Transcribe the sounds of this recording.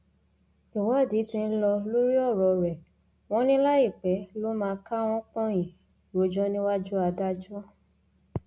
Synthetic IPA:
i˨wɔ˨˦˨di˨˦tĩ˧n̩˦lɔ˧lo˦ɾi˦ɔ˦˨ɾɔ˨ɾɛ˨ | w̃ɔ̃˦nĩ˦la˦i˦˨k͡pɛ˨˦lo˦mãː˧ka˦w̃ɔ̃˦k͡pɔ̃˦j̃ĩ˨ | ɾo˨˦d͡ʒɔ˦nĩ˦wa˦d͡ʒu˦a˧da˦d͡ʒa˦

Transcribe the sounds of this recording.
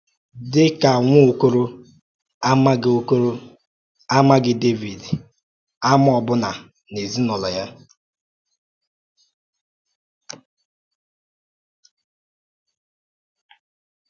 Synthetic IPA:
dɪ˦ka˨ŋʷʊ˦o˦ko˦ɾo˦ | a˦ma˦ɡɪ˦o˦ko˦ɾo˦ | a˦ma˦ɡɪ˦de˦vi˨d | a˦m˦ɔ˨bʊ˦na˨ | ne˨zi˦nɔ˨lɔ˨ja˦

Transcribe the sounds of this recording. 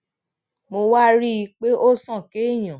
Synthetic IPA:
mo˧wa˦ɾi˦i˧k͡pe˦ʔo˦sã˦˨ke˨˦˨j̃ã˨

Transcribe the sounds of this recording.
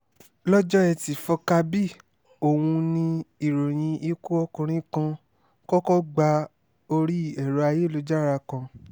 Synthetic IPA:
lɔ˦d͡ʒɔ˦ɛ˧ti˨fɔ˧ka˧bi˦˨ | o˦˨wũ˧nĩ˧i˨ɾo˨j̃ĩ˧i˧ku˦ɔ˧kũ˧ɾ̃ĩ˦kã˧ | kɔ˦kɔ˦ɡ͡ba˧ | o˧ɾi˦˨ɛ˨ɾɔ˨˦a˧je˦lo˧d͡ʒa˦˨ɾa˧kã˧

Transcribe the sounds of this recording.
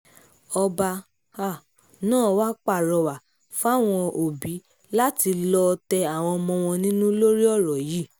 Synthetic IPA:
ɔ˧ba˧ | a˦˨ | nãː˦˨˦wa˦k͡pa˦˨ɾɔ˧˨wa˨ | fa˦˨w̃ɔ̃˧o˨bi˨˦ | la˦ti˧lɔ˧tɛ˧a˨w̃ɔ̃˧ɔ˧mɔ̃˧w̃ɔ̃˧nĩ˦nũ˦lo˦ɾi˦ɔ˦˨ɾɔ˨ji˨˦

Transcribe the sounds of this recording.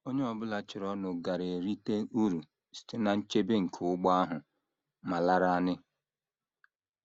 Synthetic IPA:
o˦ɲe˦ɔ˨bʊ˦la˨t͡ʃɪ˨ɾɔ˦nʊ˨ɡa˨ɾe˨e˨ɾi˦te˦u˦ɾu˨ | si̥˨te˦na˨n̩˦t͡ʃe˦be˦ŋ̩˨kʰʊ˦ɡ͡ba˦a˦ɦʊ˨ | ma˨la˦ɾa˦a˦nɪ˦

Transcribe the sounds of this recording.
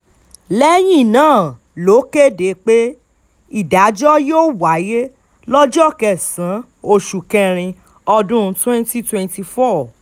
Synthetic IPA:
lɛ˦j̃ĩ˦˨nãː˦˨ | lo˨˦ke˦˨de˨˦k͡pe˦ | i˦˨da˨˦d͡ʒɔ˦joː˦˨wa˨˦je˦ | lɔ˦d͡ʒɔ˦˨kɛ˦˨sã˨˦ | o˧˨ʃu˨kɛ̃˧ɾ̃ĩ˧ | ɔ˧dũ˦˧˦twɛ̃˦nti˦twɛ̃˧nti˧fɔ˦˨

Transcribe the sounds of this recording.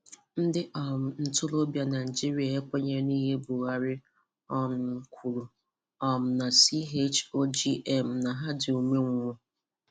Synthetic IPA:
n̩˦dɪ˦ʔɔ˨m̩˨n̩˨tʊ˦lo˦bja˦na˨ɪ˨d͡ʒi˦ɾi˦a˨e˦kʷa˦ɲe˦ɾni˦ɦe˦bʊ˨ɣa˨ɾɪ˦ | ɔ˦nʊ˨ŋ̩˨kʷʰu˨ɾu˨ | ɔ˨m̩˨na˨si˦ɦe˦t͡ʃo˦d͡ʒi˦ʔɛ˨m̩˨na˨ɦa˦dɪ˨o˨me˦ŋʷʊ˦ŋʷʊ˦

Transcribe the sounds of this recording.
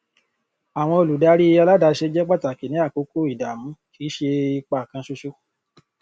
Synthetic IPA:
a˨w̃ɔ̃˧o˧lu˨da˦ɾi˦i˧ja˧la˦da˧ʃe˧d͡ʒɛ˦k͡pa˦˨ta˨ki˨nĩ˨˦a˦˨ko˨˦ko˦˨i˦˨da˨mũ˨˦kʰi˨˦ʃe˧i˧k͡pa˨kã˧ʃo˧ʃo˦

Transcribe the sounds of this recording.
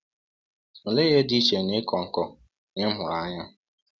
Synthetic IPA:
n̩˨le˦ɣe˦di˦t͡ʃe˨nɪ˦kɔ˨ŋ̩˨kɔ˦ | nɪ˦m̩˦mʊ˨ɾa˨˦ɲa˦

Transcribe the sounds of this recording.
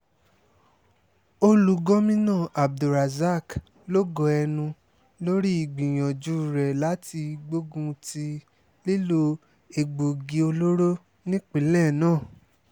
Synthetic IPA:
o˧lu˨ɡɔ̃˦mĩ˦nãː˦˨ʔa˨b̚du˨ɾa˨za˦˨k | lo˦ɡɔ˧ɛ˧nũ˧ | lo˦ɾi˦i˨ɡ͡bĩ˨j̃ã˨d͡ʒu˨˦˨ɾɛ˨la˨˦ti˧ɡ͡bo˦ɡũ˧ti˧ | le˦lo˧˦ | e˨ɡ͡bo˨ɡi˨˦o˧lo˦ɾo˦ | nĩ˦k͡pi˨˦lɛ˦˨nãː˦˨

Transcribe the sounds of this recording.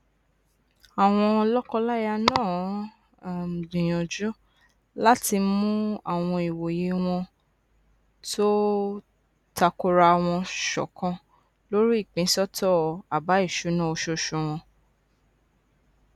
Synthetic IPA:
a˨w̃ɔ̃˧lɔ˦kɔ˧la˦ja˧nãː˦˨ | dĩ˨j̃ɔ̃˨d͡ʒo˦ | la˦ti˧mũ˦a˦˨w̃ɔ̃˧i˨wo˨je˨˧w̃ɔ̃˧ | to˦ | ta˧ko˧ɾa˧˨w̃ɔ̃˧ʃɔ̰˨kã˧ | lo˦ɾi˦i˦˨k͡pĩ˨˦sɔ˦tɔ˦˨a˨ba˨˦i˦˨ʃu˨˦nã˦o˧ʃo˧˦ʃũ˧˨w̃ɔ̃˧

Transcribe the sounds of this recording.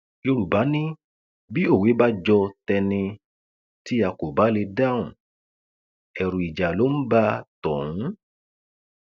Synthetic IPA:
jo˧ɾu˨ba˨˦nĩ˦ | bi˦o˦˨we˨˦ba˦d͡ʒɔ˧tɛ˧nĩ˧ | ti˦a˧ko˨ba˨˦le˧da˦˨ũ˨ | ɛ˨ɾũ˨i˨d͡ʒa˨lo˨˦m̩˦ba˦tɔ̃˨ũ˨˦

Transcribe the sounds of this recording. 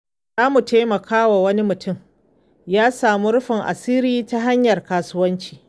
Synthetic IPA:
zaː˦mu˨taː˦mɐ˨kʰaː˦wa˨wɐ˦ni˦mʊ˨tʊ˦m | jaː˦saː˨mu˦ɾʊ˦ɸɪ˨ŋʔa̰˨siː˦ɾiː˦ta˦ɦa˦ɲjɐ˨rkaː˨sʊ˦wɐ˦nt͡ʃi̥ː˨

